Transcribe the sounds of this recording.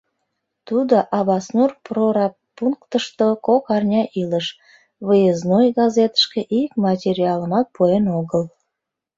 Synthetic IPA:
t̪ud̪oʔɑβɑsnurproɾɑ | puŋkt̪əʃt̪okokɑrnʲɑʔiləʃ | βəjəznojɣɑzet̪ə̥ʃkeʔikmɑtʲeɾʲiɑləmɑt̪̚pʰoenoɣəl

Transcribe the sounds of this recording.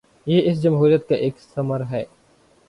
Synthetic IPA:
jeːɪs̬d͡ʒɐmɦuːɾijət̪̚kaʔeːksɐməɾɦɛː

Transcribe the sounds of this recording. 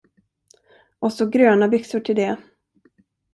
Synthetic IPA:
ʔɔsɔɡɾøːnabʏksʊʈʰɪld̪ɛ

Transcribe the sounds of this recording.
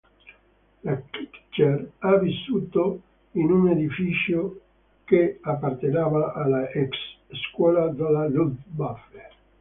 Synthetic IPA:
lakikt͡ʃeravisːuːt̪o | inuned̪ifit͡ʃjo | keapːart̪enaːvaʔalaɛksːkwɔːlad̪alalud̪bafe

